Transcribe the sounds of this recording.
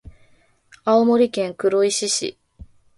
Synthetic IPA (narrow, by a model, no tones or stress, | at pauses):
aomo̞ɾʲikẽ̞ŋkɯ̟ɾo̞iɕiɕḭ